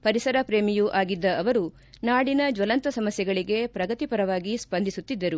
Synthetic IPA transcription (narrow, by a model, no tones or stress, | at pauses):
pɐɾisɐɾɐpɾe̞ːmijuʔaːɡid̪ːɐːʋɐɾu | naːɽinɐd͡ʒʋɐlɐnt̪ɐsɐmɐsjɐɡɐɭiɡe̞pɾɐɡɐt̪ipɐɾɐʋaːɡispɐnd̪isut̪ːid̪ːɐɾu